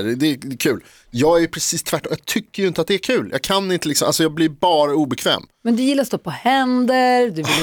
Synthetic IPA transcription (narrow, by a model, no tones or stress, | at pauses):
ɾd̪ɛːkʰʉ̟ːl | jɑːɡæɾjɵpʰɾɛsiːst̪ʰvæʈːɔmjɑːɡt̪ʰʏkːəɾjʏɪnt̪əat̪̚d̪ɛæɾkʰʉ̟ːljʔɑ̰ːɡ̚kʰanːɪnt̪əlɪksɔma̰lsɔjɑːɡblɪɾbɑːɾauːbɛkʰvɛ̰ːmmɛnd̪ɵjɪlːast̪oːpʰɔhɛnd̪əɾd̪ɵvɪl